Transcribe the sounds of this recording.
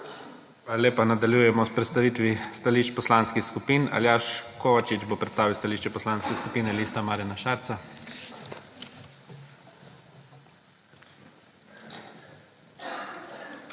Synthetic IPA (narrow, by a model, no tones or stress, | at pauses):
ʋalaleːpanad̪aljujɛmɔspɾɛt̪st̪aʋiːt̪ʋist̪aliːʃt͡ʃpɔslaːnskixskupina̰ljaːʃkʰoʋat͡ʃit͡ʃbopɾɛt̪st̪aːʋiwst̪aliʃt͡ʃɛpɔslanskɛskupiːnɛlist̪amaːɾanaʃaːɾt̪sa